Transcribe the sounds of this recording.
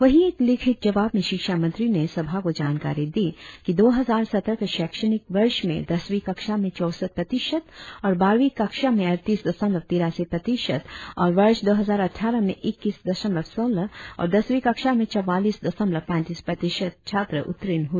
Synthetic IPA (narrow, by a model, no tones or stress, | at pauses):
ʋɐɦieːklɪkʰɪt̪̚d͡ʒɐʋaːbmẽʃɪkʃamɐ̃nt̪ɾinesɐbʱakod͡ʒaːnka̰ːɾid̪iːkid̪oːɦɐzaːɾsɐt̪ɾəkeʃɛːkʃənɪkʋɐɾʃmḛ̃d̪ɐsʋiːkɐkʃamẽt͡ʃɔːsət̪̚pɾɐt̪ɪʃət̪ɔːɾbaːɾʋikɐkʃamẽɐɾt̪iːsd̪ɐsə̃mlət̪iːɾaːsipɾɐt̪iʃət̪ɔːɾʋɐɾʃd̪oːɦɐzaːɾɐʈʰːaːɾəmḛ̃ʔɪkːiːsd̪ɐʃə̃mləʋsoːləɔ̰ːɾd̪ɐsʋiːkɐkʃamẽt͡ʃɐʋaːliːsd̪ɐsə̃mlɐpɛ̃ːt̪iːspɾɐt̪ɪʃət̪̚t͡ʃʰaːt̪ɾəʔʊ̰t̪ːɾɪnɦu